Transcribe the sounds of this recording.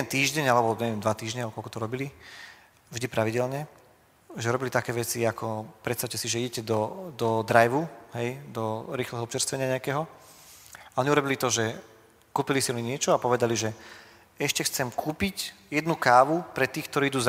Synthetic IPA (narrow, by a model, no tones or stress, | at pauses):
ɛnt̪iːʒɟɛɲalɛbɔɲɛʋɛɛmd̪ʋat̪iːʒɲɛaɔkɔlkɔt̪ɔɾɔbili | vʒd̪ipɾaʋiɟɛlɲɛ | ʒɛɾɔbilit̪akɛːʋɛt͡siakʰɔpɾɛt̪st̪aʊcɛsiʒɛiɟɛcɛd̪ɔd̪ɔd̪ɾajʋuɦɛjd̪ɔɾiːxlɛɦɔɔpt͡ʃɛɾst̪ʋɛɲɪaɲɛakɛɦɔ | aʔɔɲiuɾɔbilit̪ɔʒɛ | kuːpilisiɔɲiɲɪɛt͡ʃɔapɔʋɛd̪aliʒɛ | ɛʃcɛxt͡sɛmkʰuːpicjɛd̪nukaːʋupɾɛt̪iːxkt̪ɔɾiːid̪uːza